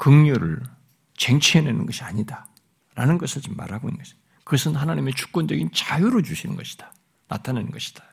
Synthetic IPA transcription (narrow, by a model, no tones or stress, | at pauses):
kɯŋɲuɾɯ̰ɭ | t͡ɕeŋt͡ɕʰienenɯnɡʌɕʰiaɲida | ɾanɯnɡʌsʰɯɭt͡ɕimːa̰ɾɦaɡoḭnɡʌɕʰ | kɯʌsʰɯnhanaɲimet͡ɕʰu̥k̚p͈ʌnd͡ʑʌɡint͡ɕajuɾod͡ʑuɕʰinɯ̰nɡʌɕʰi̥d̥ḁ | na̰tʰanenɯnɡʌɕʰi̥d̥ḁ